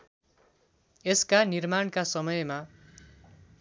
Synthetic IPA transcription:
eskanirmaɳkasʌmʌjma

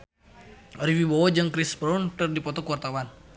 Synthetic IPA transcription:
ɔɾiwibɔwɔd͡ʒɨŋkɾispɾunt̪ərdipɔt̪ɔkuwart̪awan

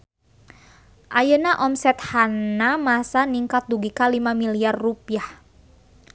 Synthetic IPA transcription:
ʔajənaʔɔmsɛt̪̚hannamasaniŋkat̪̚duɡikalimamiliarrupiah

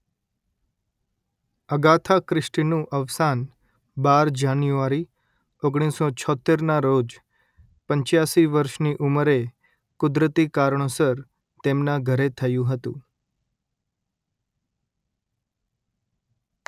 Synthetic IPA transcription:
əɡat̪ʰakɾɪʃʈnũʔəʋsan | baɾd͡ʒanjuaɾi | oɡɽ̃isot͡ʃʰɔt̪ːeɾnaɾod͡ʒ | pəɲt͡ʃjasiʋəɾʃniʔuməɾe | kʊd̪ɾət̪ikaɾɳ̃osəɾ | t̪emnaɡʱəɾet̪ʰəjũɦət̪ṵ̃

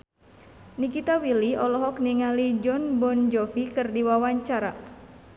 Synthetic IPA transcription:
nikit̪awiliɔlɔɦɔkniŋalid͡ʒɔnbɔnd͡ʒɔpikɨrdiwawaɲt͡ʃaɾa

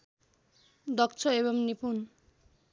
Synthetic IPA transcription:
d̪ʌk̚t͡sʰʌebʌmnipun

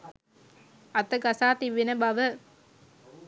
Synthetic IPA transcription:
ɐt̪əɡasaːt̪iʋːinəbaʋə

